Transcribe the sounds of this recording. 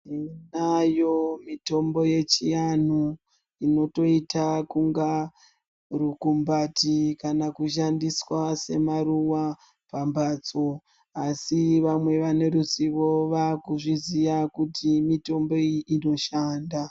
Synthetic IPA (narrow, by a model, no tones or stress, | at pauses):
inajo̞mito̞mbo̞je̞t͡ʃijanu | ino̞to̞itakuŋɡa | rukumbatikanakuʃ̬andiswase̞maɾuwa | pambʱaːt͡so̞ | asiʋamwe̞ʋane̞rusiʋo̞ʋakuʐizijakutimito̞mbo̞iʔino̞ʃaːnda